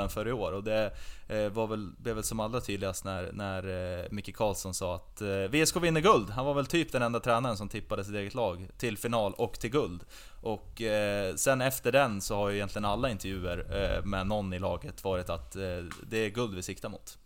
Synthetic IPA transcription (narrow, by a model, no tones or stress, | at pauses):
ənfœɾəoːɾɔd̪ɛ | vaɾvɛlblɛvɛlsɔmalːɾat̪ʰyːd̪lɪɡast̪næɾnæɾmɪkːəkʰɑːlsɔnsɑːat̪vɪɛskʰoːvɪnːəɡɵld̪ɦanvaɾvɛlt̪ʰyːpd̪ɛnɛnd̪at̪ʰɾɛːnaɾənsɔmt̪ʰɪpːad̪əs̬ɪt̪eːɡət̪lɑːɡt̪ʰɪlfɪnɑːlɔkːt̪ʰɪlɡɵld̪ | ʔɔkːsɛnːɛft̪əɖɛnsɔhaɾjɵɪjɛnt̪lɪɡənalːaɪnt̪ɛɾvjʉ̟ːəɾmɛnɔnːɪlɑːɡət̪vɑːɾɪt̪at̪d̪ɛːɡɵld̪vɪsɪkt̪amʊ̰ːt̪